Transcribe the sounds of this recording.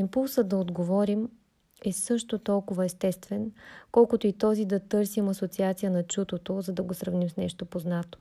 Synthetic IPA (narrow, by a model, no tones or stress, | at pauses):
impulˠsəd̪ɐod̪ɡovɔɾim | ɛsɤʃt̪ot̪ɔlˠkʊvɐɛst̪ɛst̪vɛnkɔlˠkʊt̪oit̪ɔzid̪ɐt̪ɤɾsimɐsot̪siat̪sijənɐt͡ʃut̪ot̪ozɐd̪ɐɡosɾɐvnimsnɛʃt̪opoznat̪o̥